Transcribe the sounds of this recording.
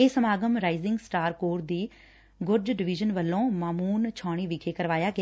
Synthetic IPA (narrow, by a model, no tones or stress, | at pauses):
eːsəmaːɡəmɾaːɪzɪ̃ŋɡsʈaːɾkoːɾd̪iː | ɡʊɾd͡ʒɖɪʋɪd͡ʒənʋəlːõːmaːmuːnt͡ʃʰaːɽ̃iːʋɪkʰeːkəɾʋaːjaːɡɪ